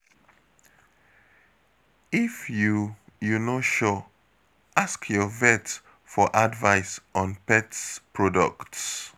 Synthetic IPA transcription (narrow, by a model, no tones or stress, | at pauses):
ifjujunoʃɔ | askʰjɔvɛt | fɔʔadvaɪsɔ̃npɛtspʰɹɔdɔ̰kts